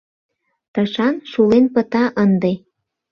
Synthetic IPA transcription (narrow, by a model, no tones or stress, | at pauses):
t̪əʃɑnʃulenpə̆t̪ɑʔənd̪e